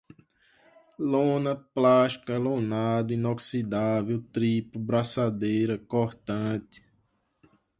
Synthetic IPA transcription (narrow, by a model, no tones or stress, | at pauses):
lõnɐplaʃi̥kɐlõnad̪ʊĩnɔksid̪avewt̪ɾipubɾasad̪ejɾɐkoɾt̪ɐ̃t̪ɪ̥